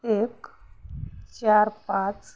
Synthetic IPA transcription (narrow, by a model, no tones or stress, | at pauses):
ek | t͡ɕaɾpãt͡s